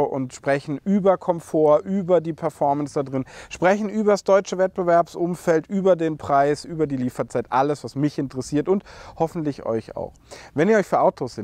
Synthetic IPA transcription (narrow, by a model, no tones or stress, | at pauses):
ʔʊ̰ntʃpʁ̥ɛçn̩ʔyːbɐkʰɔmfoːɐʔyːbɐdiːpʰɛɐfɔɐmənsd̥adʁɪnʃpʁ̥ɛçn̩ʔyːbɐsd̥ɔʏt͡ʃəvɛt̚b̥əvɛɐpsʔʊmfɛltʔyːbɐdeːnpʁ̥aɪsʔyːbɐdiːliːfɐt͡saɪtʔaləsv̥asmɪçɪntəʁɛsiːɐtʊnthɔfn̩tlɪçɔ̰ʏça̰ʊxvɛniːɐɔʏçfyːɐʔaʊtʰosɪ